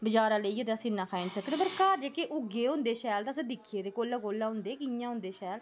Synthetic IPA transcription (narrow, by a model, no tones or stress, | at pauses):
bəd͡ʒaːɾãːleiːt̪eːəsĩːnãːkʰaːinsəkd̪eːpəɾkaːɾd͡ʒeːkeːʔʊɡeːɦʊ̃nd̪eːʃɛːlt̪asẽːd̪ɪkʰeːt̪eːkoːlːaːkoːlːãːɦʊ̃nd̪eːkɪjãːʊ̃nd̪eːʃɛːl